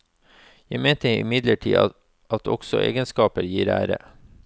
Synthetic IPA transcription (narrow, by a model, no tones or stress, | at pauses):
jæɪmeːt̪əɾɪ̰mɪd̪ləʈʰiː | ʔɑt̪ʰɔ̰ɡ̥sɔʔḛːɡənskɑːpəɾjiːɾæ̰ːɾə̰